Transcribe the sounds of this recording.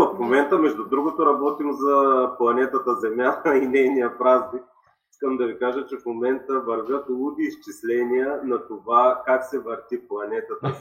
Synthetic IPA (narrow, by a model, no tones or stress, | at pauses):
ofmomɛnt̪əmɛʒd̪ʊd̪ɾuɡot̪oɾɐbɔt̪imzɐplˠɐnɛt̪ət̪əzɛmjat̪əinɛjnijəpɾaznik̚ | iskəmd̪ɐvikaʒət͡ʃɛfmomɛnt̪əvɐɾvʲjət̪lˠud̪iːst͡ʃislɛniənɐt̪ovakaksɛvɐɾt̪iplˠɐnɛt̪ət̪ə